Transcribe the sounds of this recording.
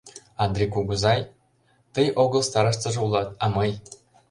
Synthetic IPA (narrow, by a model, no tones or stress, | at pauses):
ɑnd̪rʲikuɡuzɑj | t̪ɤjʔoɡɤ̆lˠst̪ɑɾɤ̆ʂt̪ɤ̆ʐɤulˠɑt̪ɑmɤj